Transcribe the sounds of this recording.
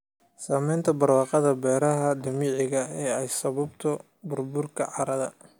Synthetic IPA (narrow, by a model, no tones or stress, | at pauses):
saːmɛjnt̪ʰɐbɐrwɑːqɑðɐbɛːɾɐɦɐd̪ɐmiːʕɪɣɐɛːɛjsɐβɐbt̪ʰɔ | bʊrbʊrkʰɐʕɑɾɐðɐ